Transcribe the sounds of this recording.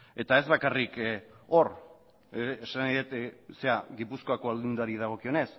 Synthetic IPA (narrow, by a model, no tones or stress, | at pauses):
e̞t̪ae̞zβakariko̞r | esanajðet̪se̞aɣipusko̞ako̞ald̪und̪aɾið̞aɣ̞o̞kio̞ne̞s